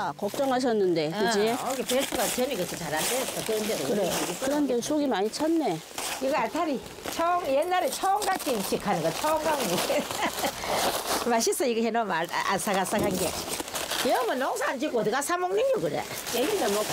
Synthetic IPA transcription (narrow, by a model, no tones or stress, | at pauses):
kʌk̚t͡ɕ͈ʌŋɦaɕ̬ʰʌnːɯnde̞kɯd͡ʑiɡepetʰuɡatʌniɡɯt͡ɕʰit͡ɕaɾandetʰʌteɯndedokɯɾekɯɾʌnɡesʰoɡimaɲit͡ɕʰanːe | iɡʌaɭtʰaɾi | t͡ɕʰʌŋjenːaɾet͡ɕʰʌŋɡak͈iimɕʰikʰanɯŋɡat͡ɕʰʌŋɡaŋmu | maɕis͈ʰʌiɡeɦenʌma̰a̰s͈aɡas͈akʰanɡe | jʌmʌnːʌŋsʰaand͡ʑikoʌd̪ɯɡasʰamoŋneɲokɯɾḛa̰ | eɡinamo